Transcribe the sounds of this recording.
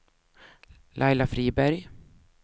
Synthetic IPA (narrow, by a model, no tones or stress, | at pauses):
lʔajlafɾiːbæɾj